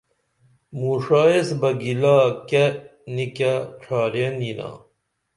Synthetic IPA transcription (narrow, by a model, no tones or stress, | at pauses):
muʂaːesbɐɡilaːkenikaʈ͡ʂʰaːɾjenina̰